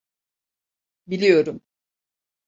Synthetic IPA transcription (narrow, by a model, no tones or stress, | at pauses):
bilʲijo̞ɾum